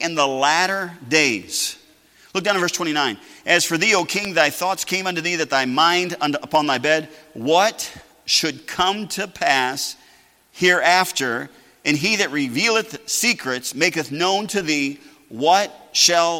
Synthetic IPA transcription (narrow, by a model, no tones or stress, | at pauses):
ʔɨ̃nðəlæɾə˞deɪz̥ | lʊk̚dãnvɜ˞stʰw̥ɛ̃inãɪ̃nʔɨz̥fə˞ðioʊkʰɪ̃ŋðaɪθɔtskʰẽɪ̃mʌ̃ntʉðiðɨt̪̚ðaɪmãɪ̃ndʌ̃nəpʰɑ̃nðaɪbɛd̚wʌt | ʃɨd̚kʰʌ̃mtʰɨpʰæs | hiɹæftə˞ | ʔɨ̃niðɨt̚ɹɪvilˠəθsikʰɹɨtsmeɪkɨθnõʊ̃ntʰɨði | wʌt̚ʃəlˠ